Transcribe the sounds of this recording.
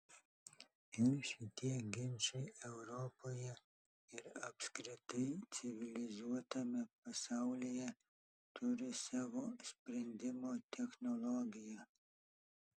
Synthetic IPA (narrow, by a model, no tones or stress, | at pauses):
ɪnʃʲɪt̪ʲiɛɡʲɪmʲt͡ʃɛɪɛʊɾɔpoːjɛ | ɪɾɐpʲskɾʲɪt̪ɐɪt̪sʲɪʋʲɪlʲɪzuɔt̪ɐmʲɛpɐsɑˑʊlʲijɛ | t̪ʊɾʲɪsɑːʋoːsʲpʲɾʲɛnʲd̪ʲɪmoːt̪ʲʰɛxnɔlˠɔɡʲɪjɛ